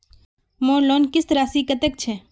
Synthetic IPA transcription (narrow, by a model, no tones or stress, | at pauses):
mõːlonkɪst̪ɾaːsikət̪ək̚t͡ʃʰe